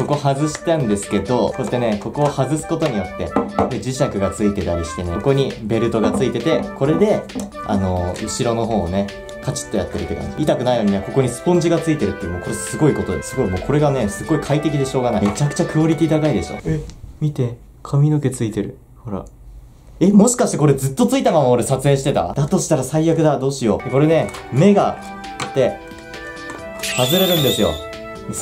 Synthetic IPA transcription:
ko̞ko̞hazɨɕi̥t̪ãnd̪e̞sɨ̥ke̞d̪o̞soet̪ːe̞ne̞ko̞ko̞ːhazɨsɨ̥ko̞t̪o̞ɲ̟ijo̞t̪ːe̞d̪ed͡ʑiɕakɯ̟ɡat͡sɨit̪e̞t̪aɾʲiɕi̥t̪e̞neko̞ɲ̟ibe̞ɾɯ̟t̪o̞ɡat͡sɨit̪e̞t̪e̞kʰo̞ɾe̞d̪e̞ | a̰no̞ɯ̟ɕiɾo̞no̞ɦo̞ːne̞ | kat͡ɕi̥t̪ːo̞ja̰t̪ːe̞ɾɯ̟ke̞d̪o̰ʔit̪akɯ̟naijoɲiako̞ko̞ɲ̟isɨ̥põ̞ɲ̟d͡ʑiɡat͡sɨit̪e̞ɾɯ̟t̪ːeɯːmoːko̞ɾesɨɡo̞iko̞t̪od̪esɨɡo̞imo̞ːkʰo̞ɾe̞ɡane̞sɨɡo̞ikʰait̪e̞k̬ʲid̪e̞ɕo̞ːɡanaet͡ɕakɯ̟̥t͡ɕakɯo̞ɾʲit̪ʲiːd̪aɡaid̪e̞ɕo̰mʲit̪e̞ | kʰamʲino̞ke̞t͡sɨit̪e̞ɾɯ̟ | ho̞ɾa̰ | e̞mo̞ɕi̥kaɕi̥t̪eko̞ɾe̞d͡zɨt̪ːo̞t͡sɨit̪amamaːɾesat͡sɨe̞ːɕi̥t̪e̞t̪a̰d̪̥at̪o̞ɕi̥t̪aɾasaijakɯ̟d̪ad̪o̞ːɕijo̞d̪ko̞ɾe̞ne̞me̞ɡa | t̪ːe̞ | hazɨɾeɾɯ̃nd̪e̞sɨjo̞̰

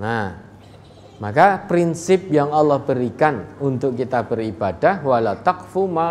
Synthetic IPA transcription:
na | makapɾinsɪp̚jaŋɑlːɔhb̥əɾikanunt̪ʊkːit̪ab̥əɾib̥ad̥ahwalat̪akfuma

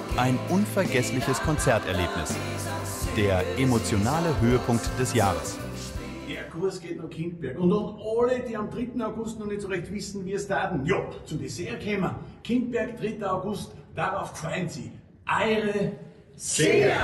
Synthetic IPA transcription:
ʔaɪnʔʊnfɛɐɡɛslɪçəskʰɔnt͡sɛɐtɛɐleːpnɪs | d̥eːɐʔemot͡sjonaːləɦøːəpʰʊŋk̚td̥ɛsjaːʁəs | d̥eːɐkʰʊɐsɡ̥eːtnʊkʰɪndb̥ɛɐkʊndʊtʔaləd̥iːamdʁɪtn̩aʊɡʊstnɔχnɛtsoɛçtv̥ɪsn̩viːstaːtn̩jot͡sudesɛɐkʰɛːmɐkʰɪnt̚b̥ɛɐkd̥ʁɪtəaʊɡʊstd̥aʁaʊfkv̥aɪnsi | ʔaɪʁə | se

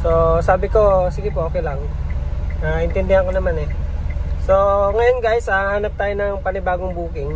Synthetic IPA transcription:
sosaːbɪko̞sɪɡɪpooːkɛjlɐŋ | ʔaʔɪnt̪ɛnd̪ɪɐkonɐmanɛ | soŋɐjo̞nɡajsɐaːnɐp̚t̪aːjonɐŋpɐnɪbaːɡoŋbuːkɪŋ

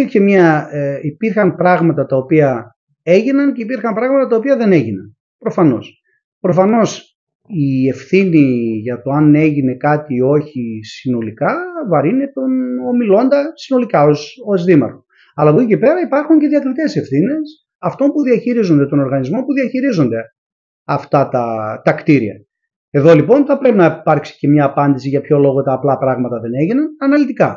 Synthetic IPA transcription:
iɾçemɲɐipiɾxɐmpɾɐɣmɐt̪ɐt̪ɐopiɐ | e̞ʝinɐnceipiɾxɐmpɾɐɣmɐt̪ɐt̪ɐopiɐðe̞ne̞ʝinɐ̰n | pɾo̞fɐno̞s | pɾo̞fɐno̞s | ie̞fθiniʝɐt̪o̞ɐne̞ʝine̞kɐt̪io̞çisino̞likɐvɐɾinet̪ono̞milo̞nd̪ɐsino̞likɐo̞so̞zðimɐ̰ɾxo̥ | ɐlɐvoicepe̞ɾɐipɐɾxuɲce̞ðiɐkɾit̪e̞se̞fθine̞s | ɐft̪o̞mpuðiɐçiɾizo̞nd̪e̞t̪o̞no̞ɾɣɐnizmo̞puðiɐçiɾizo̞nd̪e̞ | ɐft̪ɐt̪ɐt̪ɐkt̪iɾiɐ̰ | e̞ðo̞lipo̞nθɐpɾe̞pinɐipɐɾksi̥ce̞mɲɐːpɐnd̪isiʝɐpço̞lo̞ɣo̞t̪ɐːplɐːpɾɐɣmɐt̪ɐðe̞ne̞ʝinɐnɐnɐlit̪ikɐ

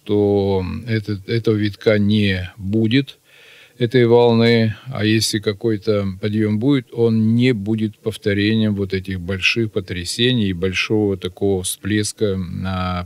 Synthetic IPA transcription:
ʂt̪oɛt̪ət̪ɛt̪əvəvʲɪt̪kanʲɪbudʲɪt̪ | ɛt̪əjvɐlˠnɨa̰jesʲlʲɪkɐko̞jt̪əpɐd̪jo̞mbudʲɪt̪o̞nnʲɪbudʲɪt̪pəft̪ɐɾʲenʲɪjəmvo̞t̪ɛt̬ʲɪxbɐlʲʂɨxpət̪ɾʲɪsʲenʲɪjɪbɐlʲʂo̞vət̪ɐko̞vəfsplʲeskənɐ

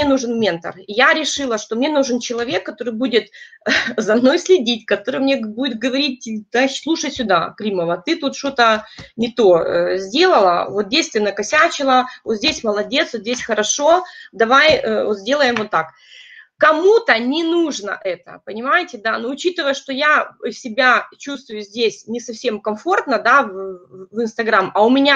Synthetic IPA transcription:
mnʲenuʐɨnmʲe̞nt̪ə̰rɪjaɾʲɪʂɨlˠəʂt̪o̞mnʲe̞nuʐɨnt͡ɕɪlˠɐvʲe̞kːɐt̪o̞ɾɨjbudʲɪt̪ | zɐmno̞jsʲlʲɪdʲitʲkɐt̪o̞ɾɨjmnʲebudʲɪt̪̚ɡəvɐɾʲit̪̚ʲaslˠuʂəjsʲʊd̪a̰kɾʲiməvət̪ɨt̪ut̪ʂt̪ot̪ənʲɪt̪o̞zʲdʲe̞lˠəlˠə̰vot̪̚dʲejsʲsʲt̪vʲɪnəkɐsʲat͡ɕɪlˠəvot̪zʲdʲesʲməlˠɐdʲe̞t̪svot̪dʲesʲxəɾɐʂo̞d̪ɐvajəot̪zʲdʲe̞lˠəjɪmvot̪ːak | kɐmut̪ənʲɪnuʐnə̰ʔɛt̪ə̰pənʲɪmajɪtʲɪd̪anoʊt͡ɕit̪ɨvəjəʂt̪ojasʲɪbʲat͡ɕust̪vʊjʊzʲdʲesʲnʲɪsɐfsʲe̞mkɐmfo̞rt̪nəd̪avvɨnst̪ɐɡɾamɐʊmʲɪnʲa

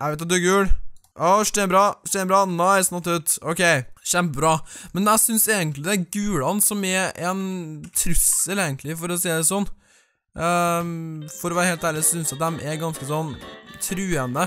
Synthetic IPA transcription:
ʔæʋɛɪt̪ɑd̪ʉkʉːlʔɔʂʈ̪ɛːbɾɑːsʈ̪ɛːbɾɑːnɑɪsnɑt̪ːʉːt̪ɔkʰeɪɕɛmpəbɾɑːmɛnæɪsʏnseːɡənt̪lɪd̪ɛæɾɡʉːlɑnsɔmɛɾɛnt̪ʰɾʉsəleːɡənt̪lɪfɔɾɔsiːd̪ɛsɔnː | fɔɾɔʋæːɾəheːlt̪æːɾɭɪsɔsʏnsjɑt̪̚d̪ɛmʔɛɾɡɑnskəsɔnːt̪ʰɾʉːənə

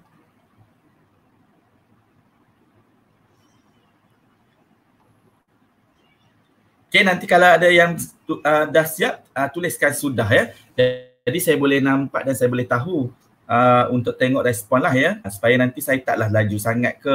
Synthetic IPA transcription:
kenãnt̪ikalawadajaŋ | ədahsiap̚ət̪ulɪskansudaɦjə | d͡ʒaa | disajabolɛhnãmpa̰ʔ̚dansajabolɛht̪aɦu | əunt̪ʊk̚t̪eŋɔʔɾɛspɔnlahjəsu̥pajanãnt̪isajat̪aʔlahlad͡ʒusaŋat̪̚kə

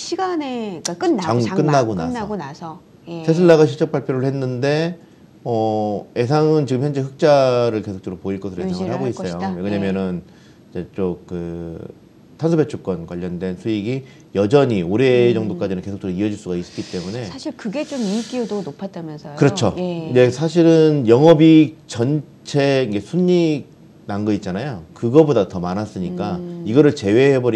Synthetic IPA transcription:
ɕʰiɡane̞ak͈ɯnaŋk͈ɯnːaɡona̰aɡonasʰʌ | jesʰes̬ʰɯɭːaɣaɕʰit͡ɕ͈ʌk̚p͈aɭpʰjoɾɯɭhe̞nːɯnde̞ | ʌe̞sʰaŋɯnt͡ɕiɡɯmçjʌnd͡ʑeɸɯk̚t͡ɕ͈aɾɯɭke̞sʰo̥k̚t͡ɕ͈ʰʌɾopoiɭk͈ʌsʰɯɾoesʰaŋɯɭhaɡois͈ʌjojʌɡɯɲamjʌnɯn | id͡ʑe̞t͡ɕ͈okɯ | tʰansʰobe̞t͡ɕʰuk͈ʌnkwaʎːʌndwe̞nsʰuiɡi | jʌd͡ʑʌɲioɾe̞d͡ʑʌŋdok͈ad͡ʑinɯnke̞sʰokt͡ɕ͈oɾoiʌd͡ʑiɭs͈uɡais͈ɯ̥k͈it͈e̞mune̞saɕʰiɭkɯɡet͡ɕomik͈iodonopʰat͈amjʌnsʰʌkɯɾʌt͡ɕʰoje̞sʰaɕʰiɾɯnjʌŋɦʌbit͡ɕʌn | t͡ɕʰe̞inɡe̞sʰuɲːiɡ̚ | naŋɡʌit̚t͡ɕ͈anajokɯɡʌbodatʌmanas͈ɯɲik͈aiɡʌɾɯɭt͡ɕe̞we̞ɦebʌɾi

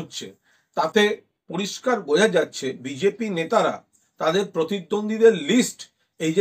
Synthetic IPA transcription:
otːɕʰḛ | t̪at̪e | poɾiʃkaɾbod͡ʑʱad͡ʑatːɕʰebid͡ʑepinet̪aɾa̰ | t̪ad̪eɾpɾot̪id̪ːond̪ʱid̪eɾlisʈ | ejd͡ʑe

